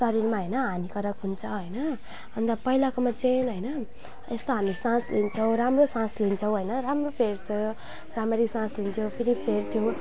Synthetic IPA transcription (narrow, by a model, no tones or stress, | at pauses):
t̪ʌɾilmaɦəjnʌɦanikʌɾʌkɦunt͡sʰʌɦəjnʌ | ʌnt̪ʌpʌilakomat͡senɦojnʌ | est̪oɦamisãslent͡sʰʌw̃ɾamrosãsliint͡sʰʌw̃ɦʌjnʌɾamropʰeɾt͡sʰʌ | ramʌɾisãslint̪ʰjopʰiɾipʰert̪ʰijo